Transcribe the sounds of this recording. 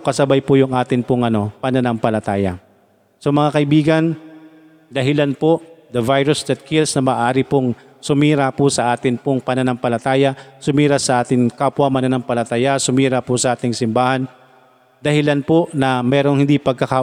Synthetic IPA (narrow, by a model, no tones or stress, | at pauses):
kɐsɐbajpʊjʊŋʔaːt̪ɪnpʊŋʔɐno̞pɐnɐnɐŋpɐlɐt̪aːjɐ̰ | somɐŋakɐʔɪbiːɡɐn | d̪ɐɦɪlanpod̪ɐvajɾʊsd̪ɐt̪̚kʰɪlsnɐmɐʔaːɾɪpoŋ | sʊmiːɾapʊsɐʔaːt̪ɪnpʊŋpɐnɐnɐŋpɐlɐt̪aːjɐsʊmiːɾasɐʔaːt̪ɪŋkaːpwɐmɐnanɐŋpɐlɐt̪ajasʊmiːɾapʊsɐʔaːt̪ɪŋsɪmbaːhan | d̪ɐhɪlanponɐmɛːɾoŋhɪnd̪ipɐɡ̚kɐka